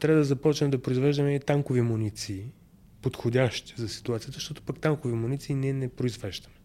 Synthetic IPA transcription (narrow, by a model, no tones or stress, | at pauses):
t̪ɾavəd̪ɐzɐpɔt͡ʃnɛmd̪ɐpɾoizvɛʒd̪əmɛt̪aŋkovimunit̪siː | pot̪xodʲaʃt̪i̥zɐsi̥t̪uat̪sijət̪əʃt̪ɔt̪o̥pakt̪aŋkovimunit̪siːnɛnɛpɾoizvɛʒd̪ɐmɛ